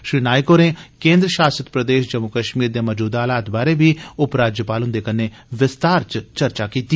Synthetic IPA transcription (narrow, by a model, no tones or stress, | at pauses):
ʃɾiːnaːɪkoːneːkẽːnd̪ɾəʃaːsət̪pɾəd̪eːʃd͡ʒəmʊkəʃmiːɾd̪eːməd͡ʒuːd̪aːlaːt̪baːɾebiːʊpɾaːd͡ʒjəpaːlɦʊ̃nd̪eːkənːeː | ʋɪst̪aːɾt͡ʃt͡ʃəɾt͡ʃaːkiːt̪iː